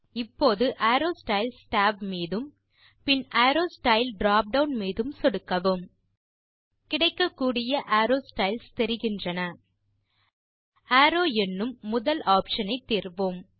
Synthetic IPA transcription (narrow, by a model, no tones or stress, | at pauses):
ɪpːoːðɯʔaːɾoːsʈɐɪlsʈaːb̚miːðɯm | pɪnʔaːɾoːsʈɐɪlɖɾaːp̚ɖɐʊnmiːðɯmsɔɽɯkːɐʋɯm | kɪɽɐɪkːɐkːuːɽɪjɐʔaːɾoːsʈɐɪlst̪ɛɾɪɣɪndrɐnɐ | aːɾoːɛnːɯmːʊðɐlaːpʂɐnɐɪt̪ːiːrʋoːm